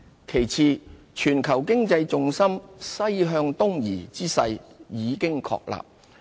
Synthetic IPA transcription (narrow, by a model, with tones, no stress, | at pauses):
kʰe˨˩jt͡sʰiː˨˧ | t͡ʃʰyː˨˩nkʰɐ˨˩wkɪ˥ŋt͡sɐ˧jt͡sʊ˨˧ŋsɐ˥msɐ˥jɦœː˧ŋt̪ʊ˥ŋjiː˨˩t͡siː˥sɐ̰˧jjiː˨˧kɪ˥ŋkʰɔ̰ː˧k̚la̰ː˨p̚